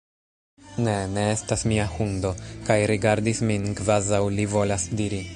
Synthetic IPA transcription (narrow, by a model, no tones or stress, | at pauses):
ne̞ne̞estasmiahundo̞kajɾiɡaɾdisminkvazawlivo̞lasdiɾi